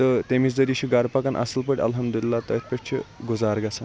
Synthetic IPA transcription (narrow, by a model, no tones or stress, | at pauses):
t̪ət̪emiːt͡sd͡z̪əɾiɕiɡaɾpakanʔa̰səlpəɽʲɐ̰lɦəmd̪ulilːat̪əit̪̚pʲeʈt͡ɕʰḛɡud͡zaɾɡasan